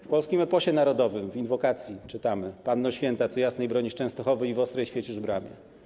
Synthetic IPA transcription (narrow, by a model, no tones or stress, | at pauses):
fpɔlskʲimɛpɔɕɛnaɾɔd̪ɔvɘmvinvɔkat̪sʲjit͡ʂɘt̪amɘpanːɔɕfʲjɛnt̪at̪sɔjasnɛjbɾɔɲiʂt͡ʂɛ̃w̃st̪ɔxɔvɘivɔst̪ɾɛjɕfʲjet͡ɕuʐbɾamʲɛ̰